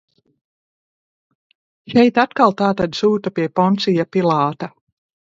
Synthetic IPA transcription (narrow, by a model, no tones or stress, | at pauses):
ʃɛjt̪at̪kalˠt̪aːt̪ad̪suːt̪apiɛpɔnt̪sijapilˠɑːt̪a